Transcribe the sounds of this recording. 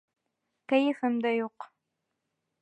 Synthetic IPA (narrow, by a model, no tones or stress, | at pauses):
kɐjɪfɨmd̪ɐjoːq